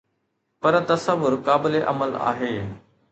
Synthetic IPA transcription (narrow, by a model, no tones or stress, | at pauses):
pɐɾt̪ɐsəʋːʊɾkaːbɪleʔɐ̰məla̰ːɦeː